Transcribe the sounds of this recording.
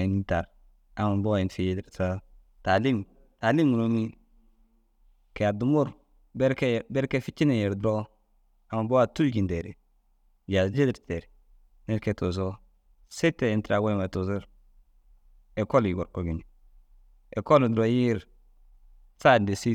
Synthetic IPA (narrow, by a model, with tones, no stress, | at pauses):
i˨n˦ta˨ɾ | a˨ma˨bo˦˨i˨nfi˨˦je˦dɾta˦ | ta˨li˦m | ta˨li˦ŋu˨no˦mi˦ | ke˨a˨du˨mu˦ɾ | bɛ˦ɾke˦˨bɛ˦ɾke˦fi˦t͡ʃi˦ne˨jɛ˨ɾdɾo˦ | a˨ma˨bo˦a˨tu˦ɡi˨nde˨ɾḛ˨ | ja˨d͡ʒe˦di˨ɾte˨ɾ | ne˦ke˨to˨s̬o˦ | se˦te˨nti˦ɾa˨ɡo˦˨ma˨tu˨su˦ɾ | e˨ko˦li˨ɡo˨ɾko˨ɡi˨n˨ | e˨ko˦ldɾo˦ɾ | t͡sa˦˨de˨si˦